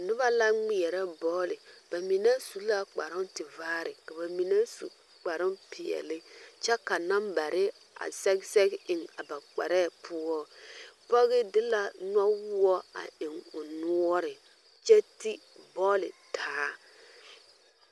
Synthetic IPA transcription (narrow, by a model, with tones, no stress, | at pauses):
nʊ˦ba˦la˦ŋ͡mi˨ɛ˨ɾɛ˦bɔː˦lɪ˨b̥a˨mi˨nɛ˦su˨˦la˦k͡pa̰˨ɾʊ˦ntɪ˨vaː˦ɾɪ˨ka˨ba˨mi˨nɛ˦sṵ˨ | k͡pa˨ɾʊ˦mpʰɪ˨ɛ̰˨lɪ˦t͡ʃɛ˦ka˨na˦mba˨ɾʔɪ˦ | a̰˨sɛ˦ksɛ˦ɡɪ˨ŋa˨ba˨k͡pɛ̰˨ɾɛ˦˨pʰʊ˦ɔ˦pɔ˦ɣɪ˦dɪ˦la˨na˦wʊ˦ɔ˦a̰˨ɪ˨ŋʊ˨nu˦ɔ˦ɾɪ˨ | t͡ʃɛ˦ti˦bɔː˦lɪ̰˨tʰaː˨˦